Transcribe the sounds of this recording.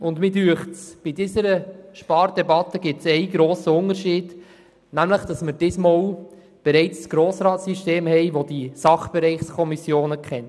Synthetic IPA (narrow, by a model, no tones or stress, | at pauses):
ʊndmɪdyəχtsb̥idɪsəɾəʃpɑːɾdɛbɑt̪əɡɪp̚tsɛɪɡɾoːsəʊnəɾʃiːd̥ | næmləχd̪̥ɑsməɾd̥ɪsmɔw | b̥ɛɾɛɪt͡ssɡ̥ɾoːsɾɑːtsiʃteːmhɛɪʋod̥̪isɑχb̥ɛɾɛɪχskʰɔmisjoːnəkχɛn